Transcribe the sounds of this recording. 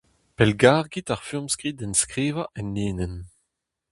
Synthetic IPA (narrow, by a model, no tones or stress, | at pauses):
pɛlɡaːʁɡitaʁfymskʁidɛnskʁeːvaʔɛnːeːnɛn